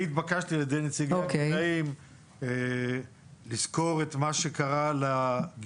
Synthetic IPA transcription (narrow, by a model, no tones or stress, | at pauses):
it̪bakaʃtilad̪ejnet͡siɡoakeaim | lizko̞ʁet̪maʃekaʁalaɡ